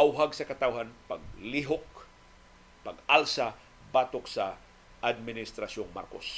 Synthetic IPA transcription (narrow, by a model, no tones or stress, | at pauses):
ʔawɦaɡsɐkɐt̪awɦanpaɡ̚liɦok̚ | pɐɡalsa | baːt̪oksa | ʔad̪̚mɪnɪst̪ɾaʃoŋma̰ɾko̰s